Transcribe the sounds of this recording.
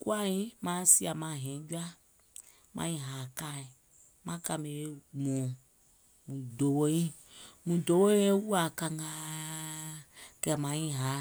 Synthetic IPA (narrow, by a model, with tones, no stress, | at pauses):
kṵ˦a˦ĩ˦mã˦si˦a˨mã˨ɦɛ̃˨˦d͡ʒu˦a˦ | mã̰˧˦ĩ˧ɦaː˨ka˦˨i˨ | mã˦ka˧mẽ˨˦e˦mɔ̃˨ | mũ˨do˨˦wo˦ĩ˦ | mũ˨do˨˦wo˦e˦wu˦a˨ka˧ŋɡaː˦ | kɛ˧˨mã˨˦ĩ˦ɦa˨˦